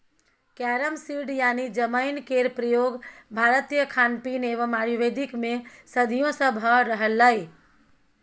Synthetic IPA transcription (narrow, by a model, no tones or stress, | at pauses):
kɛɾəmsiɖjanid͡ʒəməɪnkeɾpɾəjoɡbʱaɾət̪ijəkʰanpineʋəmaɾjuʋed̪ʱikmesəd̪ʱijõsə̃bʱəɾəɦəlːəj